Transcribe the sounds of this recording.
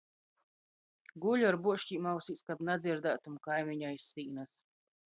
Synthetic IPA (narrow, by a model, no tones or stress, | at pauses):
ɡuʎʲuaɾbuɔʃciːmawsiːskabnad̪zʲiɾd̪aːt̪umkajmiɲajsːiːnas